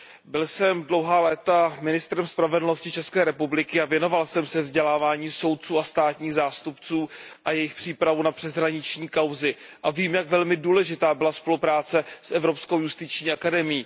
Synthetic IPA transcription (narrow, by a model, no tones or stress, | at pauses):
bɪlsɛmdlo̞wɦaːlɛːt̪amɪnɪst̪ɾɛmspɾavɛdl̩noscɪt͡ʃɛskɛːɾɛpublɪkɪavjɛno̞valsɛmsɛvzɟɛlaːvaːɲiːso̞wt̪̚t͡suːast̪aːt̪ɲiːɣzaːst̪upt͡suːʔajɛjɪxpr̥iːpɾavunapr̥ɛzɦɾaɲɪt͡ʃɲiːkawzɪʔaviːmjaɡvɛlmɪduːlɛʒɪt̪aːbɪlaspo̞lupɾaːt͡sɛsʔɛvɾo̞psko̞wjust̪ɪt͡ʃɲiːʔakadɛmɪjiː